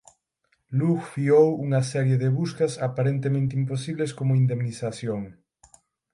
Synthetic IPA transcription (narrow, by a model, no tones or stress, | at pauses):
luɣfiowuŋɐsɛɾjeðɪβuskɐsapaɾent̪emẽnt̪imposiβleskomʊind̪emniθaθjoŋ